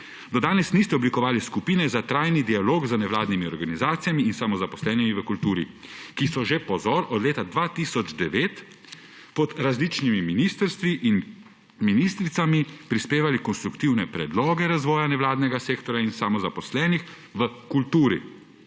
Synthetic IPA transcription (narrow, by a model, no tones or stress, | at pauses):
d̪ɔd̪aːnɛsnist̪ɛɔblikɔʋaːliskupiːnɛzat̪ɾajnid̪ialoːɡzənɛʋlaːd̪nimiɔɾɡanizaːt̪ijamiːnsamɔzapɔ̥slɛːnimiʋəkult̪uːɾḭkisɔʒepɔzɔːɾɔd̪leːt̪ad̪ʋat̪isɔd͡ʒd̪ɛʋeːt̪ | pɔd̪ɾazlit͡ʃnimiminiːst̪əɾst̪ʋiʔin | minist̪ɾit̪samipɾispeːʋalikɔnst̪ɾukt̪iwnɛpɾɛd̪lɔːɡɛɾazʋɔːjanɛʋlaːd̪nɛɡaseːkt̪ɔɾjainsamɔzapɔslɛːnix | ʋəkult̪uːɾḭ